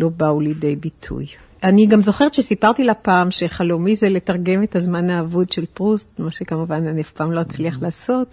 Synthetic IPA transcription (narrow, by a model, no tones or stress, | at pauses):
lo̞baulidejbitʰṵj | aniɡamzo̞χe̞etʃesipaʁt̪ilapaːmʃeχalomizele̞taʁɡe̞metazmanaːvudʃe̞lpʁustmaʃekamuvananiafpaːmlo̞at͡sliaχlaːso̞t